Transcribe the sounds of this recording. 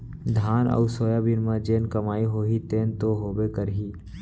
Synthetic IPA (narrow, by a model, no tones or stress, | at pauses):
d̪ʱaːnə̰ʊɾsoːjabinmãd͡ʒeːnkəmaːiɦoːɦit̪eːnt̪oɦoːbekəɾɦiː